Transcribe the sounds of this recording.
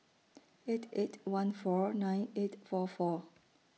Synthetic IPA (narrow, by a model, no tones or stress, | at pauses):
etʰetʰwãnfɔnãj̃netfɔfɔ